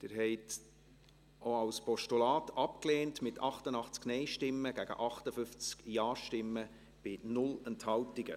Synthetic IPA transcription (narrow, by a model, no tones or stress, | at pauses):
d̥ɪɾɦɛɪt | oɑwspɔʃtulɑːtɑpkleːntmɪtʰɑχtənɑχt͡sknɛɪʃtɪmːəɡ̥æɡ̥ə̰ʔɑχtəfʏft͡skjɑːʃtɪmːə | b̥ɪnʊlənthɑwtɪɡ̥ə̰